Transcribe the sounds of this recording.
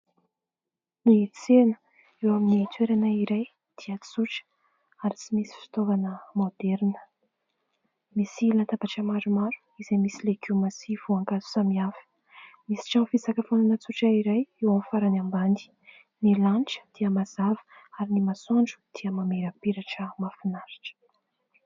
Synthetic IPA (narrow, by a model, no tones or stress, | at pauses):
nit͡senə̥ | ewaminit̪weɾanəiɾaj | d̪̥iat͡suʈ͡ʂə̥ | aɾit͡simisi̥fi̥t̪ovanəmod̪ɛɾnə̥ | misilant̪apaʈ͡ʂəmaɾumaɾu̥izemisilekimasivuaŋkazu̥samiafi̥ | misi̥ʈ͡ʂanfizakəfonanət͡suʈ͡ʂaiɾajewamfaɾanambani̥ | nilanʈ͡ʂə̥d̪̥iəmazavə̥aɾinimasaɳɖ͡ʐu̥d̪̥iəmameɾəpiɾaʈ͡ʂəmafinaɾiʈ͡ʂə̥